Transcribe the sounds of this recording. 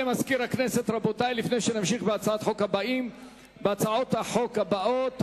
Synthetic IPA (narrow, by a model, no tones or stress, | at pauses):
emaskiɾaknese̞t̪ʁabo̞t̪ajlifne̞jʃenamʃiχbeat͡saat̪ħo̞kabaim | beat͡saot̪haħo̞khabaot̪